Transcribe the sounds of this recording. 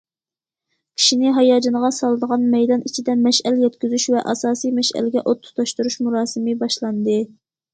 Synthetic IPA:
kʲʰi̥ʃinɪɦɑjɑːd͡ʒɑnʁɑsɑlˠɨd̪əʁɑnmɛjd̪ɑnit͡ʃʰid̪ɛmɛʃɛljɛt̪kʲyzyʃvɛʔɑsɑːsijmɛʃæ̰lɪɡʲɛʔot̪ʰːu̥t̪ʰɑʃt̪uɾuʃmuɾɑːsɨmɪbɑʃlˠɑnd̪ɨ

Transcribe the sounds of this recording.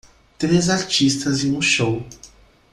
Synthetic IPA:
t̪ɾezaɾt͡ʃist̪ɐzẽũʃow

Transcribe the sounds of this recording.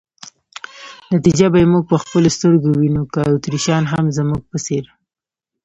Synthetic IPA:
nat̪id͡ʒabajemuɡ̚pəxpəlost̪əɾɡowinokaut̪ɾiʃɑnɦamzəmuɡ̚pəseɾ

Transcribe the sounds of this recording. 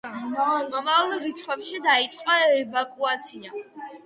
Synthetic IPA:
mɔmavlˠɾit̪sʰχwɛpʃid̪ait̪sʼqʼɔɛvakʼuat̪sʰia

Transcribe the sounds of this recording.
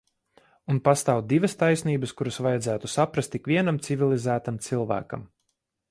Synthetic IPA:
unpast̪aːw̪̚d̪ivɐst̪ajsniːbəskuɾɐsvajɛd̪zæːt̪usapɾast̪ikvʲiɛnamt̪sivʲilˠizæːt̪amt̪silˠvæ̰ːka̰m

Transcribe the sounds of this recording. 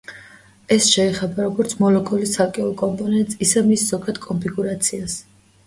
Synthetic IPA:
ɛsʃɛːχɛbaɾɔɡɔɾt̪sʰmɔlɔkʼɔlisakʼɛɔkʼɔmpʼɔnɛnt̪ʼsʼisɛmisz̥ɔɡad̪̥kʼɔmpʰiɡuɾat̪sʰias

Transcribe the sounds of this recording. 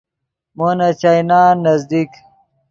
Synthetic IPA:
moːnɐt͡ɕajnaːnːɐzd̪ik

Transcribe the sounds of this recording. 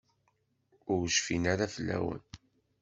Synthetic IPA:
ʊɾʃfinaɾafəlːæ̰wə̰n

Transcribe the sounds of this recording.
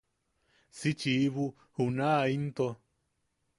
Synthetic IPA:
sit͡ʃiβu | hunaint̪o

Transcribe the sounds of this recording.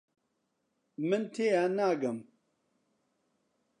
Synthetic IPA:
mɨnt̪ʰeːjanaːɡɐm

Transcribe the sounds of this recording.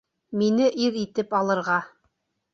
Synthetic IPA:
minɘʔiɾit̪ɘpɑlˠɤ̆ɾʁɑ

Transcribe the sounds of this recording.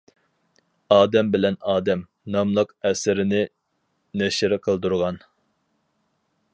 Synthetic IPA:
ɑːd̪ɛmbɪlɛnɑːd̪ɛm | nɑmlˠəqɛsɪɾɪnɪ | nɛʃɪɾqʰəlˠd̪uɾʁɑn

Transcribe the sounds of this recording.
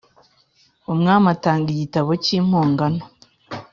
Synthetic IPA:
umŋaːmataːŋɡiɟitaβociːm̥hoːŋɡano

